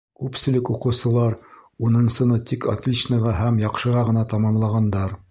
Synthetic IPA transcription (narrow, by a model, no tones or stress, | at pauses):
kʉpsɘ̆lɘkuqɤ̆wsɤ̆lˠɑɾunɤ̆nsɤ̆nɤt̪ikɐ̰t̪ʲlʲit͡ɕnɤʁɑɦæmjɑqʃɤ̆ʁɑʁɤ̆nɑt̪ɑmɑmlˠɑʁɑnd̪ɑɾ